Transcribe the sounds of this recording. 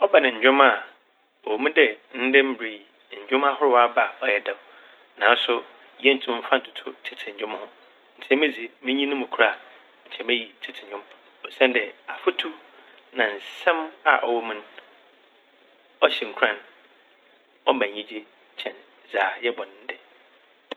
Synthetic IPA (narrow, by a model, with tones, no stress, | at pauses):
ɔ˦ba˨nɪ̃˨ɲ̩˨d͡ʑᶣʊ̃˦ma˦˨ | ɔ˨wo˨mũ˦dɛ˦n̩˦dɛ̃˦m̩˦bɾi˨i˨ | ɲ̩˨d͡ʑᶣʊ̃˦m˦a˦hʊ˦ɾʊ˦wa˦ba˨ɔ˨jɛ˦dã˨ | nã˨n˦sʊ˦ | jɛ˦n̩˨˦tʰʊ̃˦m̩˦fã˦n̩˨tʰʊ̥˨tʰʊ˦tʰɪ˨tʰɪ˨ɲ̩˨ɲᶣʊ̃˦m˦hʊ̃˦ | n̩˨tʰɛ̃˦mɪ̃˦d͡zi˨mɪ̃˦ɲĩ˦nʊ̃˦mʊ̃˨kʰu˨˦a˨ | ɲ̩˨t͡ɕʰɛ̃˦mæ˦ji˨tʰɪ˦tʰɪ˨ɲᶣʊ̃˦m | ɔ˨sɛ̃˦ndɛ˨a˨fʊ˦tʰu˦ | nã˨n̩˨sɛ̃˦ma̰˨ʔɔ˨wɔ˨mũ˦n | ɔ˦ɕɛ˨ŋ̩˨kʰu˨ɾã˦n | ɔ˦mã˨ɲĩ˦d͡ʑe˦ | t͡ɕʰɛ̃˨n | zaː˨jɛ˦bɔ˨n˨˦n̩˦dɛ˦